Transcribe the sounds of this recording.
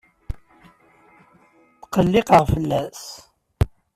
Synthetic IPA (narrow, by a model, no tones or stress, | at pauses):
θqəlːɪqəʁfəlːæs